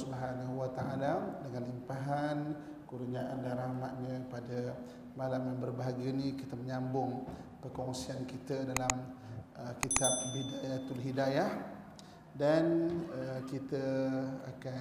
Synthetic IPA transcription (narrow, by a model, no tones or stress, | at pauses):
subaɦanaɦuat̪aʔaladəŋanlimpaɦan | kuɾuɲaʔandaɾamaʔ̪̚ɲə̃padə | malamjanbərbaɦaɡinikit̪əməɲambʊŋpəkɔŋsiankit̪ədalaməkit̪ab̚bidajat̪ulɦidajah | danəkit̪əa̰ka